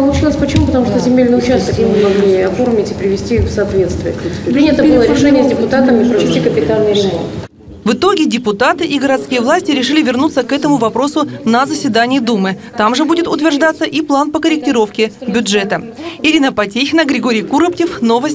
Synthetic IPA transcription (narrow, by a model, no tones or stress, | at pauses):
pəlˠʊt͡ɕilˠəsʲpət͡ɕɪmupət̪ɐmuʂt̪ozʲɪmʲelʲnɨjʊt͡ɕast̪ək̪ʲimɨmɐɡnɨɐfo̞rmʲɪtʲɪpɾʲɪvʲɪsʲtʲifsɐːt̪vʲe̞t̪st̪vʲɪəpɾʲinʲət̪əbɨlˠəɾɾɪʂɛnʲɪjəzʲdʲɪpʊt̪at̪əmipɾəvʲɪsʲtʲikəpʲɪt̪alʲnɨjɾʲɪmo̞̰nt̪ | vɨt̪o̞ɡʲɪdʲɪpʊt̪at̪ɨʔiɡəɾɐt̪skʲijəvlˠasʲtʲɪɾʲɪʂɨlʲɪvʲɪrnut̪səkɛt̪əmʊvɐpɾo̞sʊnəzəsʲvʲɪd̪anʲɪjɪd̪umɨ | t̪amʐɨbudʲɪt̪ʊt̪vʲɪrʐd̪at̪səʔiplˠanpəkəɾʲɪk̚tʲɪɾo̞fkʲɪbʲʊʐɛt̪ə | ɪɾʲinəpɐtʲexʲɪnəɡɾʲɪɡo̞ɾʲɪjkuɾəptʲɪfno̞vəs̚ʲ